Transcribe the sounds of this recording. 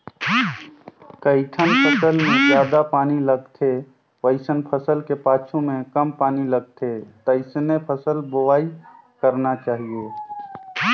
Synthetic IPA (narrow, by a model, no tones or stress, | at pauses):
kəɪʈʰənpʰəsəlmẽd͡ʒjaːd̪apaːniləɡt̪ʰe | ʋəɪsənpʰəsəlkepaːt͡ʃʰumẽkəmpaːniləɡ̚t̪ʰet̪əɪsnepʰəsəlbʊwaːi | kəɾnat͡ʃaːɦie